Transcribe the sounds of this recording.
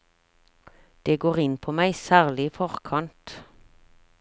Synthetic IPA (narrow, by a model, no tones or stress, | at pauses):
d̪̥eːɡoːʁɪnpʰoːmæɪsæːʁlɪiːfɔʁkʰɑnt̪